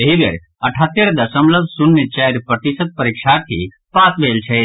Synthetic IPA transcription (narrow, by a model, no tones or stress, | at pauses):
eɦiʋɐ̰ɾ | ɐʈʰaːt̪ːeɾd̪ɐsəmləbsʊnːet͡ʃɛːɾpɾət̪ɪsəd̪̚pəɾiːkʃaːɾt̪ʰḭ | paːt̪ʋeːlt͡ʃʰɛ